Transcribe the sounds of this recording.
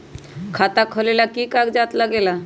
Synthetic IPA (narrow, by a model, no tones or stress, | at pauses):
kʰaːt̪akʰolelakikaɡd͡ʒaːt̪ləɡeːla